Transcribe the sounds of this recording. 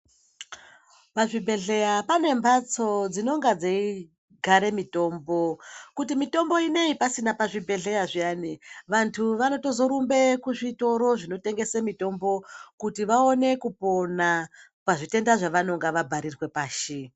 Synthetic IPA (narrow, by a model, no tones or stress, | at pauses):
paʐibʱe̞ɮe̞japane̞mbat͡so̞d͡zino̞ŋɡad͡zei | ɡʱaɾe̞mito̞ːmbo̞kutimito̞mbo̞ine̞ipasinapaʐibʱe̞ɮe̞jaʐianiʋantʰuʋano̞to̞zo̞ɾumbe̞kuʐito̞ɾo̞ʐino̞te̞ŋɡe̞semito̞mbo̞kutiʋaone̞kupo̞na | paʐite̞ndaʐaʋano̞ŋɡaʋabʱaɾirwe̞paːʃi